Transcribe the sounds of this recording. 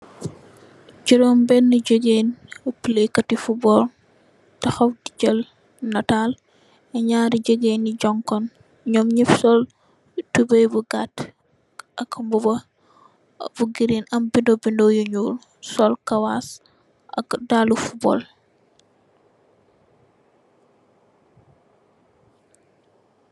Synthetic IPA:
d͡ʒiɾɔmbɛnːəɟəɡenpəlekɐtifubɔːɾ | tɐxɔfdiɟəl | nɐtal | ɛɲaːɾiɟəɡeniɟɔŋkɔn | ɲɔmɲifsɔl | tubəjbuɡat | ʔɐkmbɔbɐ | buɡiɾinɐmbindobindɔjuɲuːl | sɔlkɐwas | ʔɐ̰kdalufubɔ̰l

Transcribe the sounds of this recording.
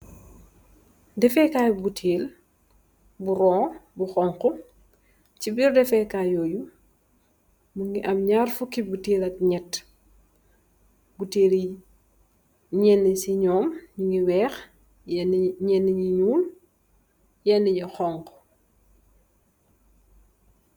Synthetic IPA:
dɛfɛkaːjbutʰeːl | buɾɔːbuxɔŋkɔ | cibirdɛfɛkaːjɔːju | muŋiʔɐmɲarfukːibutiːlɐt̚ɲɛtː | buteːli | ɲɛnːisiɲɔːmɲiŋiwɛːx | ɲɛnːiɲiɲuːn | jɛnːɛɲɛxɔŋkɔ̥

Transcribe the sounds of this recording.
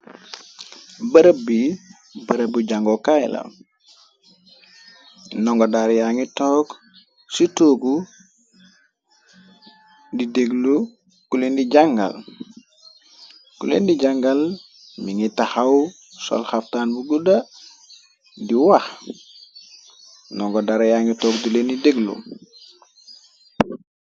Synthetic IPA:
bəɾəbi | bəɾəbuɟaŋɡokajla̰ | nɔŋɡodaɾjaŋitɔːk | sutoːɡu | dideɡlu | kulendiɟaŋɡa̰l | kulḛndiɟaŋɡal | miŋitaxaw | sɔ̰lxaftaːnbuɡuda | diwax | nɔŋɡɔdaɾjaŋitɔːkdulenideɡlṵ

